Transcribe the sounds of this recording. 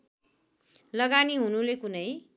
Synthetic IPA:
lʌɡaniɦunulekunʌj

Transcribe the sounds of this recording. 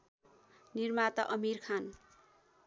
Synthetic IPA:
nirmat̪ʌʔʌmirkʰan

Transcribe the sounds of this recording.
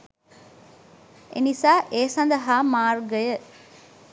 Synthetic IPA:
ʔḛnisaːʔeːsɐnd̪ɐɦaːmaːrɡəjə

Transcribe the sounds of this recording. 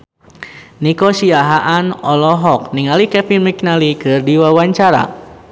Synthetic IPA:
nikosiaɦaʔanɔlɔɦɔk̚niŋalikɛpinmiknalikɨrdiwawaɲt͡ʃaɾa̰

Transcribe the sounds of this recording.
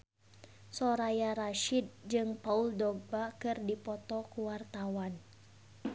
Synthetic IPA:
sɔɾajaɾaʃid̪̚d͡ʒɨŋpauldɔɡ̚bakɨrdipɔt̪ɔkuwart̪awan

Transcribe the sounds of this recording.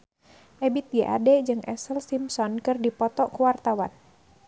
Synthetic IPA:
ʔɛbit̪̚ɡɛʔa̰dɛd͡ʒɨŋʔɛ̰səlsimsɔnkɨrdipɔt̪ɔʔkəwart̪awa̰n

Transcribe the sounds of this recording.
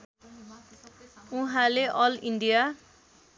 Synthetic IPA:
uɦãleʔʌliɳɖija

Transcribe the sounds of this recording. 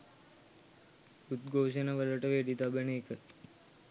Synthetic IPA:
ut̪̚ɡʱoːʃənaʋələʈəʋeɖit̪abəneːkə

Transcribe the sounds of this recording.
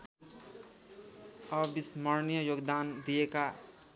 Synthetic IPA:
ʌbismʌɾnijʌjoɡd̪and̪ijeka

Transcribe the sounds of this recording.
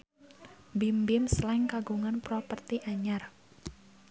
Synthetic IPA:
bimbɪmslɛŋkaɡuŋanpɾɔpərt̪iʔaɲar

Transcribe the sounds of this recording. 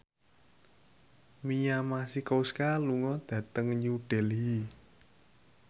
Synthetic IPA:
mijamasikowskaluŋɔd̪̥ä̤t̪əŋɲuɖ̥ɛ̤lɦi

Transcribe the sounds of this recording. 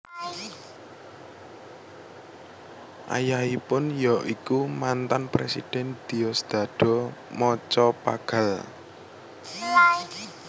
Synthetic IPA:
ʔa̰jahipʊnjɔʔikumant̪anpɾesḭd̪̥ɛnd̪̥i̤ɔsd̪̥a̤d̪̥ɔ̤mɔt͡ʃɔpa̰ɡ̥a̤l

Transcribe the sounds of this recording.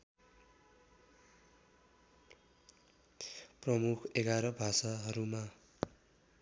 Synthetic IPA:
prʌmukʰeɡaɾʌbʱasaɦʌɾuma

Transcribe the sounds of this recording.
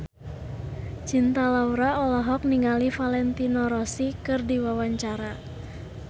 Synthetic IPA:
t͡ʃint̪alauɾaɔlɔɦɔk̚niŋalifalɛnt̪inɔɾɔsikɨrdiwawaɲt͡ʃaɾa

